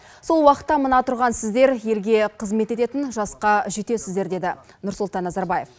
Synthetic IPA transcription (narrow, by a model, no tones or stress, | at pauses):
so̞lˠwɑqə̥t̪ːɑmənɑt̪ʰʊɾʁɑnsɪzd̪e̞ɾje̞lɡʲe̞qʰəzme̞t̪e̞t̪e̞t̪ɪnʒɑsqɑʒet̪e̞sɪzd̪e̞ɾd̪e̞d̪ɪ | nʊɾsʊlˠt̪ɑnːɑzɑɾbɑje̞f